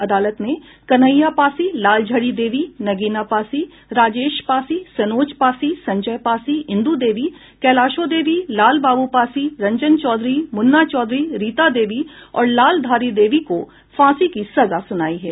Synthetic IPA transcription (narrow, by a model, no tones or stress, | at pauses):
ɐd̪aːlət̪ne | kɐnəjːapaːsilaːld͡ʒʱəɽid̪eːʋinɐɡiːnapaːsi | ɾaːd͡ʒeːʃpaːsisɐnoːd͡ʒpaːsisɐ̃ɲd͡ʒəjpaːsiɪ̃nd̪ud̪eːʋi | kɛːlaːʃod̪eːʋilaːlbaːbupaːsiɾɐ̃ɲd͡ʒənt͡ʃɔːd̪ɾimʊnːat͡ʃɔːd̪ɾiɾiːt̪ad̪eːʋiɔ̰ːɾlaːld̪ʱaːɾid̪eːʋiko | fãːsikisɐzasʊnaːiɦɛ̰ː